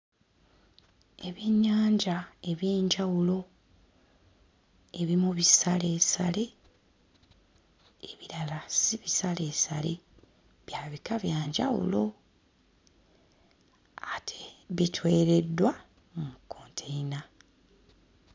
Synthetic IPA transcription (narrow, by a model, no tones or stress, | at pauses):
e̞βiɲːaːɲɟae̞βjeːɲɟawulo̞ | e̞βimuβisale̞ːsale̞ | eβiɾalasiβisale̞ːsale̞ | βjaːβikaβjaːɲɟa̰wṵlo̞ | atʰe̥βitʰweːɾe̞dːwa | mumukːo̞ːntʰejina